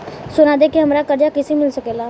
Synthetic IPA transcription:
sʊnaːd̪eːkeɦəmɾaːkəɾd͡ʒaːkɪsimɪlsəkeːlaː

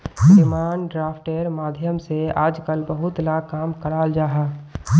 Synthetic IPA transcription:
ɪmaːnɖɾaːfʰʈeːɾmaːd̪ʱjəmseaːd͡ʒkəlbəɦʊt̪lakaːmkəɽaːld͡ʒaːɦaː

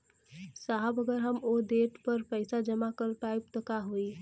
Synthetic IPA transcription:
saɦəbəɡəɾɦəmoɖ̪eʈpəɾpəɪsad͡ʒəmakəɾpajp̚t̪ɔkaɦoi

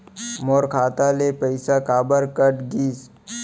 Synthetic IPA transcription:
moːɾkʰaːt̪alepəɪsakaːbəɾkəʈɡiːs

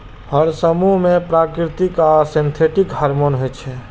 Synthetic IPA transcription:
həɾsəmuɦmepɾakɾit̪ikasĩnt̪ʰeʈikhaɾmonɦojt͡ʃʰɛ

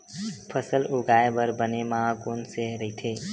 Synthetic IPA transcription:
pʰəsəlʊɡaːebəɾbənemaɦakoːnseɾəɦit̪ʰeː

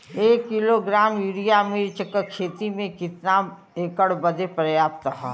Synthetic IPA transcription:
eːkːiloɡɾaːmjuːɾijamiɾt͡ʃəkəkʰeːt̪imẽkɪt̪na | eːkəɽbəd̪epɾəjaːpt̪əɦa̰

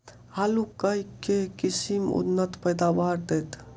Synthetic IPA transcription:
haːlukəikekisimṵnːət̪pəjd̪awaːɾd̪et̪

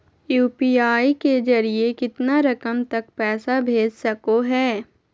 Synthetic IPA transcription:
juːpiːaːiked͡ʒɐɾiekɪt̪naɾɐkəmt̪ɐk̚pɛːsabʱeːd͡ʒsɐkoɦɛː

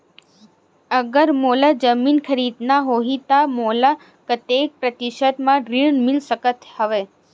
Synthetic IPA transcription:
əɡəɾmolad͡ʒəminkʰəɾid̪naɦoɦit̪amola | kət̪ek̚pɾət̪iʃəd̪mãɾiɳmilʃəkət̪həʋe

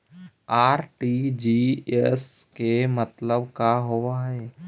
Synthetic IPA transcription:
aːɾʈid͡ʒiːeskemət̪ləbkaɦoʋaɦɛː

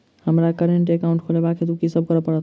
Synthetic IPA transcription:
hɐmɾakəɾeɳʈ̬ekaʊ̃ɳʈkʰoːlebaːkʰet̪ukisɐb̚kɐɾapəɽa

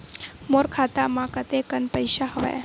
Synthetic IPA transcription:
moɾkʰat̪amãkət̪ekənpəjʃaɦəʋḛ

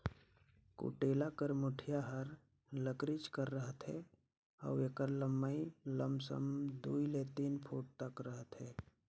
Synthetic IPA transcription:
kṵːʈeːlakəɾmʊʈʰjaɦəɾ | ləkɾɪt͡ʃkəɾːəɦət̪ɦɛː | ɔ̰ːeːkəɾləmːəiləmsə̰md̪uːilet̪iːnpʰoːʈ̚t̪əkɾəɦət̪ɦɛː

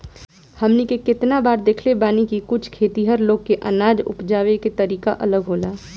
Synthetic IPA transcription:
hɐmnikekɪt̪nabaːɾd̪eːkʰlebaːnikikʊt͡ʃʰkʰeːt̪iɦəɾloːɡ̚keʔɐ̰naːd͡ʒʊ̰pd͡ʒaːʋeket̪ɐɾiːkaʔɐləɡɦoːlaː

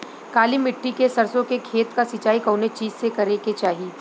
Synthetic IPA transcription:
kaːlimɪʈːikesɐɾsõkekʰeːt̪kasɪt͡ʃaːikɐʊnet͡ʃiːzsekɐɾeket͡ʃaːɦiː

